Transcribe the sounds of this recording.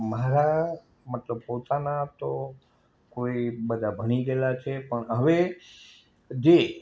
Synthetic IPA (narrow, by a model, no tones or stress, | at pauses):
maɾa | mət̪ləb̚pot̪anat̪o | koibəd̪ʱabʱəɽ̃id̪elat͡ʃʰepəɳəʋe | d͡ʒe